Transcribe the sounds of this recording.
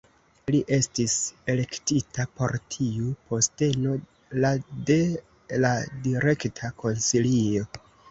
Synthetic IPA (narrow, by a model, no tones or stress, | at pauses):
liʔe̞stise̞le̞ktitapo̞ɾtʰiupo̞ste̞no̞ | lade̞ | ladiɾe̞ktʰako̞nsilio̞